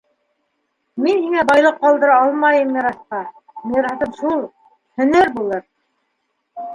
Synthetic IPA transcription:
minhiŋæbɑjlˠɤqːɑlˠd̪ɤ̆ɾɑɑlˠmɑjɤ̆mniɾɑsqɑ | mijɤ̆ɾhɑt̪ɤpʃulˠ | hɵ̆næɾbulˠɤɾ

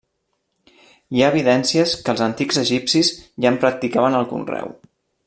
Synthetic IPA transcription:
iaːβ̞iðɛnsiəskəːlˠzənt̪iɡzəʒipsizʒampɾək̚t̪ikaβənəlˠkṵnrɛ̰w

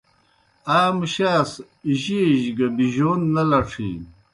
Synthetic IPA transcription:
aːmɕaːs | iʑiʑɡɐbiʑoːnːɐlɐʈ͡ʂʰḭ̃ː

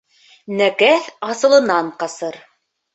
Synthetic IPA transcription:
nækæθɑsɤ̆lˠɤ̆nɑɴqɑsɤɾ

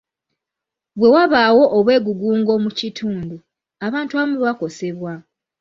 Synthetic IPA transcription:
βwe̞waβaːwo̞ʔːβwe̞ːɡuɡuːŋɡo̞mucitʰuːndu | aβaːntuamuβako̞se̞βwa

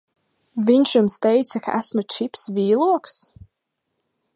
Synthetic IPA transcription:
viɲʃjumst̪ɛjt̪sɐka̰ʔæ̰smɨt͡ʃipsviːlˠuɔks

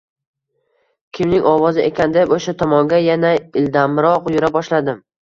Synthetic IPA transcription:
kʲʰɪmnɪŋɒwɒzɪʔekʲʰand̪epoʃat̪ʰɒmɒŋɡʲajanaɪld̪amɾɒqjʊɾabɒʃlad̪ɪm

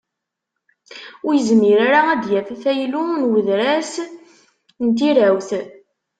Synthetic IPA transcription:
ʊɾjəzmiɾaɾaæd̪jæfæθæjlunwəðɾæs | nt̪iɾæwθ

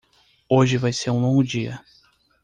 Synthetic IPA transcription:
oʒɪvajseɾũlõŋɡʊd͡ʒiɐ̰

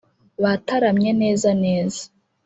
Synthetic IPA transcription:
βataɾamɲe̞ne̞ːzane̞ːzḁ

